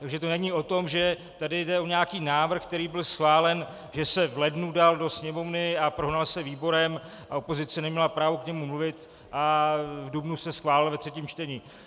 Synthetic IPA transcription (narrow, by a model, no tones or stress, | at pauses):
t̪aɡʒɛt̪o̞nɛɲiːʔo̞t̪o̞mʒɛ | t̪adɪjdɛo̞ɲaakiːnaːvr̩xk̚t̪ɛɾiːbɪlsxvaːlɛn | ʒɛsɛvlɛdnudaldo̞sɲɛmo̞vnɪapɾoɦnalsɛviːbo̞ɾɛmʔao̞po̞zɪt͡sɛnɛmɲɛlapɾaːvukɲɛmumluvɪt̪ | ʔavdubnusɛsxvaːlɪlvɛt̪r̝̥ɛciːmt͡ʃt̪ɛɲiː